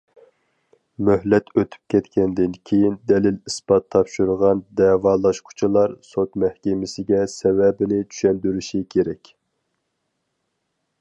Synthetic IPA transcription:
myhlɛt̪ʰøt̪ʰy̥p̚kʲʰɛt̪kʲɛnd̪ɪnkʲʰejind̪ɛlɪlisbɑt̪ʰːɑpʃuɾʁɑnd̪ɛːwɑːlˠɑʃqʰʊ̥t͡ʃʰilˠɑɾsot̪mɛhkʲemɪsɪɡʲɛsɛvɛbɪnɪt͡ʃ̪ʰy̥ʃɛnd̪yɾyʃikʲʰeɾɛkʲ

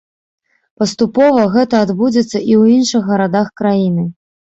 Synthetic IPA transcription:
pɐst̪upɔvɐɣɛt̪ɐːd̪bud͡zʲɛt̪sːɐʔiwinʂɨxːɐɾad̪axkɾajinɨ

